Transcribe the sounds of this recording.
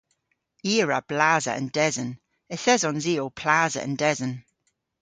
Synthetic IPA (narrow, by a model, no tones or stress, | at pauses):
iːɹəb̥laːzə̰ə̰̃ndɛzən | əθɛzɔ̃nziːopʰl̥aːzə̰ə̰̃ndɛzən